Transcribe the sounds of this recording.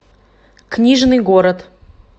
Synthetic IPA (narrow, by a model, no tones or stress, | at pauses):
knʲiʐnɨjɡoɾət̪